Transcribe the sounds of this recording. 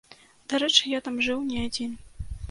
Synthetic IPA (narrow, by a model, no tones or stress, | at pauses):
d̪̥aɾɛt͡ʂɨjat̪amʐɨwnʲɛad͡zʲin